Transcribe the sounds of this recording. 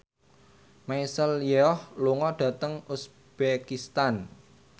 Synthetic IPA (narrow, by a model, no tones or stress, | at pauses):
maisəljɛɔhluŋɔɖ̥ä̤t̪əŋus | b̥ekist̪an